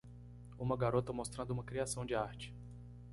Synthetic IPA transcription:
ũmɐɡaɾot̪ɐmost̪ɾɐ̃d̪ʊũmɐkɾiasɐ̃w̃d͡ʒɪaɾt͡ʃɪ̥

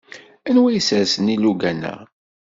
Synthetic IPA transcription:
ænwæjəsæsəniluɡænæ̰

